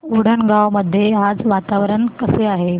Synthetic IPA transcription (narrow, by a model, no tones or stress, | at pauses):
uɽ̤əɳɡawməd̪ʱːjead͡zʋat̪aʋɾəɳkəseaɦe